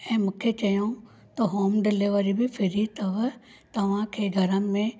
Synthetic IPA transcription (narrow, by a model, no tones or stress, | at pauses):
ɛ̃ːmʊkʰːjet͡ʃɐjõ | t̪oɦoːmɖɪlɪʋəɾibʱipʰɪɾit̪ɐʋ | t̪ɐʋãkʰeɡʱɐɾəmːẽ